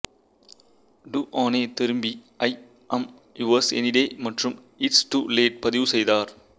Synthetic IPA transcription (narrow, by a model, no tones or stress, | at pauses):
ɖuːʔaːneːt̪ɪɾɯmbi | ɐɪ | ʔɐm | iʋɐːsḛniɖeːmɐʈɾɯm | ɪʈsʈuːleːʈ̚pɐðɪʋɯsɛjd̪aːɾ